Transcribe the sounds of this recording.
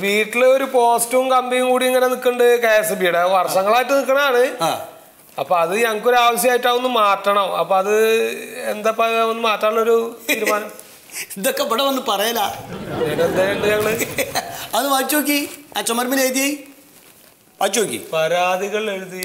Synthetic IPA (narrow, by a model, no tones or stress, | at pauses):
ʋiːʈːiloɾupo̞ːstuumkɐmbijuŋkuːɽiiŋːɐne̞nikːɐɳɖɨkeːsɐbiːɽɐʋɐrʂɐŋːɐɭaːjiʈːɨnikːɐɳɐmaːɳɨa̰ː | ɐpːoɐðɨɲɐŋɐkːo̞ɾuaːʋɐɕjɐmaːjiʈːaːonːɨmaːʈrɐɳɐmɐ̰pːoːɐðɨend̪apːɐonːɨmaːʈːaːɳːo̞ɾut̪ːɾumaːnɐm | ind̪okːeʋiɽeʋɐnːɨpɐrɐjɐlːaːenend̪ɐeːɳɖɨɲɐŋːɐɭɨ | ɐðɨʋat͡ɕːok̬ːiat͡ɕːɐmɐɾmileːjt̪ːiei | paːt͡ɕːokːḭpɐɾaːd̪ʱiɣɐɭe̞ɻuði